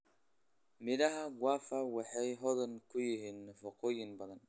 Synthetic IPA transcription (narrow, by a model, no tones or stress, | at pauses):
mɪðɐɦɐɡwɑːfɐwɑħɑjɦɔðɐnkʰʊjɪɦiːnːɐfɐqɔːjɪnbɐðɐn